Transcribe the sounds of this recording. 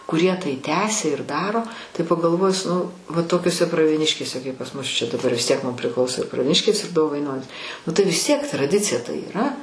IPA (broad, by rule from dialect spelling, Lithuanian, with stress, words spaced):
kʊˈrʲiɛ tɐɪ ˈtʲæːsʲɛ ɪr ˈdɑːroː tɐɪ pɐɡɐlˠˈʋoːjʊs nʊ ʋɐ toːkʲoːˈsʲɛ prɐʋʲiɛˈnʲɪʃʲkʲeːsʲɛ kɐɪp pɐs mʊs t͡ʃʲɛ dɐˈbɐr ʋʲɪs tʲiɛk mʊm pʲrʲˈɪklˠɐʊsoː prɐʋʲiɛˈnʲɪʃʲkʲeːs ɪr doːʋɐɪnoːnʲiːs nʊ tɐɪ ʋʲɪs ˈtʲiɛk trɐˈdʲɪt͡sʲɪjɛ tɐɪ iːˈrɐ